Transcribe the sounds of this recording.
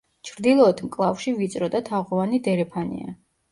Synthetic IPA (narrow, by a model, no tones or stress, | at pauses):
t͡ʃʰɾd̪ilˠɔɛt̪ʰmkʼlˠafʃivit̪sʼɾɔd̪at̪ʰaʁɔvanid̪ɛɾɛpʰanḭa̰